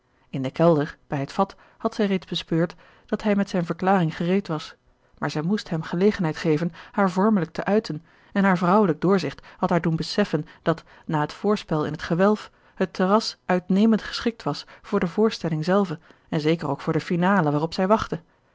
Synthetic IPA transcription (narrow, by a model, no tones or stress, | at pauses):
ɪndəkɛlˠdəɹb̥ɛjɦətfɑt | hɑtsɛjrejdzbəspøːɹt | d̥ɑtɦɛjmɛtsɛjnvəɹklaːrɪŋχərejtʋɑs | maːɹzɛjmustɦɛmχəlejχənɦɛjtχejvənhaːɹvɔɹmələk̚təʔœɥtʰən | ɛnɦaːɹvrʌwələɡ̚dʊːɹzɪχthɑtɦaːɹdunbəsɛfənd̥ɑt | naːɦətfʊːɹspɛlˠɪ̰nɦətχəʋɛlˠf | hətʰərɑsʔœɥtnejməntχə̥sχɪk̚tʋɑsfʊːɹdəvʊːɹstɛlɪŋzɛlˠvə | ɛnzejkərowkfʊːɹdəfinaːləʋaːrɔpsɛjʋɑχtə